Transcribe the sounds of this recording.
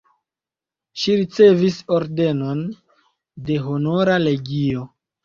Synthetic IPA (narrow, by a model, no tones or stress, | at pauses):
ʃiɾit͡se̞viso̞ɾde̞no̞n | de̞ɦonoɾale̞ɡio̞